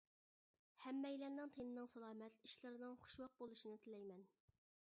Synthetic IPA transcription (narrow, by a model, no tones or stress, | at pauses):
hɛmːɛjlɛnnɨŋt̪ʰenɪnɨŋsɑlˠɑːmɛt̪iʃlˠɨɾɪnɨŋχʊ̥ʃwɑq̚bolˠuʃinɨt̪ʰɪlɛjmɛn